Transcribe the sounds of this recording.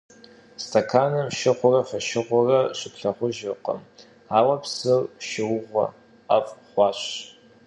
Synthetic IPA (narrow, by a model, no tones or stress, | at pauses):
stʰɐkʰaːnɐmʃɪʁʷʊrɐfɐʃɪʁʷʊrɐɕʷɪpʰɬɐχʷʊʒɪqɐ̰m | aːwɐpsɨrʃɪwʊʁʷɐ̰ | afχʷɑːɕ